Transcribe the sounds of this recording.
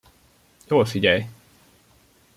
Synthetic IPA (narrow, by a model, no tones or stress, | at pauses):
joːlfiɟɛj